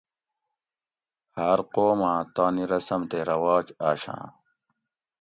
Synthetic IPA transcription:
haɾqoːmãːt̪aːniɾɐsɐmt̪eːɾɐwaːt͡ɕaːɕã̰ː

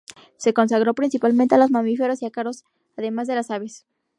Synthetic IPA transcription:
se̞ko̞nsaɣɾopɾinsipalmẽnt̪ealozmamife̞ɾo̞siakaɾo̞s | aðe̞mazðe̞lasaβe̞s

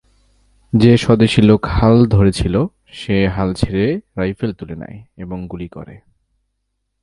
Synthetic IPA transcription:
d͡ʑeʃɔd̪eʃilokhald̪ʱoɾet͡ɕʰilo | ʃeɦalt͡ɕʰeɾeɾajfelt̪ulena̰jeboŋɡulikɔ̰ɾḛ

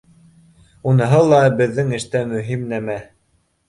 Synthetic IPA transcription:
unɤ̆ɦɤlˠɑbɘ̆ðːɘŋɘ̆ʃt̪æmɵ̆ɦimnæmæ

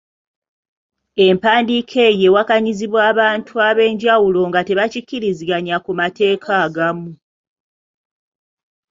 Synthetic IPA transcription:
e̞mpaːndikʰe̞je̞wakaɲiziβwaːβaːntʰuaβe̞ːɲɟawulo̞ŋɡate̞βacicːiɾiziɡaɲakumate̞ːkʰaːɡamu

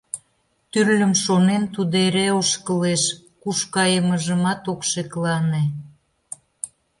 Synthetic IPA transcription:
t̪yrlʲəmʃonent̪ud̪eɾeoʃkəleʃkuʃkɑjəməʒəmɑt̪okʃeklɑne

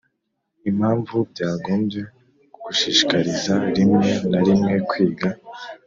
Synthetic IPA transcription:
im̥haːɱvubɟaːɡo̞ːmbje̞ | uɡuʃiːʃikaɾizaɾimŋe̞naɾimŋe̞kwiːɡa

